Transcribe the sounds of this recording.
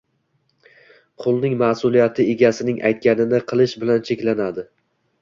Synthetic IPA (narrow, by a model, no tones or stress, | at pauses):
qʰʊlˠnɪŋmasʊlˠijat̪ʰɪeɡʲasɪnɪŋʔa̰jt̪̚kʲanɪnɪqʰɨlˠɪʃbɪlant͡ʃʰekʲlanad̪ɪ